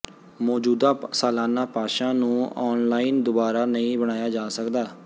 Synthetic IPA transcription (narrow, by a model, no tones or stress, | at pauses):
mɔːd͡ʒuːd̪aːsaːlaːnaːpaːʃãːnũːɔːnlaːiːnd̪ʊbaːɾaːnəĩːbəɽ̃aːjaːd͡ʒaːsəkd̪aː